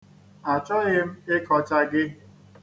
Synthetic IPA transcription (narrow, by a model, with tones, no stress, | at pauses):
a˨t͡ʃɔ˦ɣɪ˦m̩˦e˦kʰɔ˨t͡ʃa˦ɡɪ˦